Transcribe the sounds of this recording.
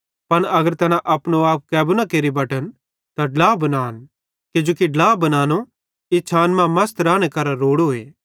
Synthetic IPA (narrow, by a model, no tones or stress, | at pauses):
pɐnɐɡəɾt̪ɛːnãʔɐpnoaːp̚kɛːbʊnakeːɾibɐʈən | t̪aɖlaːbɐnaːn | kɪd͡ʒoːkiɖlaːbɐnaːno | ɪt͡ʃʰaːnmãmɐst̪ɾaːɽ̃ekɐɾaɾoːɽoːḛː